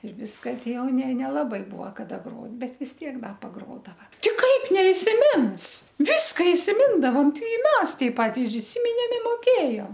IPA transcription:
ɪr ˈʋʲɪskɐ ˈtʲɪ ˈjɛʊ nʲɛ nʲɛlˠɐˈbɐɪ ˈbuɔ kɐˈdɐ ˈɡroːt ˈbʲɛt ʋʲɪs ˈtʲiɛk ˈdɐ pɐˈɡroːdɐʋɐ ˈtʲɪ ˈkɐɪp nʲɛɪsʲɪˈmʲɪns ˈʋʲɪskɐ ɪsʲɪˈmʲɪndɐʋɐm ˈtɐɪ ˈmʲɛs tɐɪp ˈpɐt ɪr ɪˈsʲɪmʲɪnʲeːm ɪ moːˈkʲeːjoːm

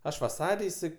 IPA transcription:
ˈɐʃ ʋɐˈsɐrʲ ɪˈsɐɪ

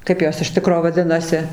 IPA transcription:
ˈkɐɪp joːs ɪʃ ˈtʲɪkroː ʋɐˈdʲɪnɐsʲɪ

